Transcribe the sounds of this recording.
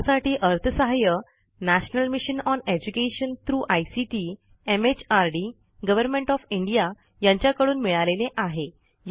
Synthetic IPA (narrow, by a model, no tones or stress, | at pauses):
saʈiːʔəɾt̪ʰəsəɦajə | næɕnəlmiɕənɔned͡ʑukeɕənt̪ɾuːʔajsiʈi | emet͡ɕaɾɖi | ɡəʋəɾmẽɳʈɔfiɳɖija | jãɲt͡ɕjakəɽuːnmiɭaleneʔaɦe | j